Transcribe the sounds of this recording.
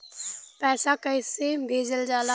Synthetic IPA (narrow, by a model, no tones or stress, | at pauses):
pɛːsakaɪsebʱeːd͡ʒəld͡ʒaːla